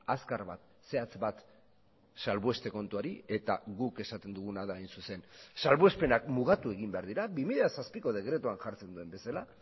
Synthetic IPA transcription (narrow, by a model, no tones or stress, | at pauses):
askaɾβa̰t̪ | se̞at͡sbat̪ | salβue̞st̪e̞ko̞nt̪uaɾie̞t̪aɣuke̞sat̪e̞nd̪uɣ̞unaðaːjnsuse̞nsalβue̞spe̞nakmuɣ̞at̪ue̞ɣ̞imbe̞aɾðiɾaβimiʎasaspiko̞ð̞e̞ɣɾe̞t̪uanʝaɾt͡send̪ue̞mbe̞sala